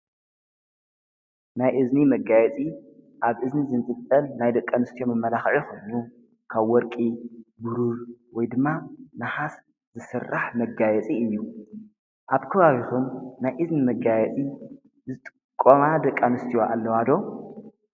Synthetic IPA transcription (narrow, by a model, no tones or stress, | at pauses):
najʔɨznimɐɡajɛt͡sʼi | ʔaβʔɨznizɨnt͡s̪ʼɨt̪ʼːɐlnajd̪ɐkʼːanɨst̪ʰijo̞mɨmːɐlaxʕixʰo̞jnu | kʰaβwɔɾkʼibɨɾuɾwɔjd̪ɨmːanaħas | zɨsɨrːaħmɐɡajɛt͡sʼiɨjːu | ʔaβkʰɐβaβit̪ʰumnajʔɨznimɐɡajɛt͡sʼi | zɨt̪ʼɨ̥ | kʼːomad̪ɐkʼːanɨst̪ʰijoʔa̰lːɐwad̪o̞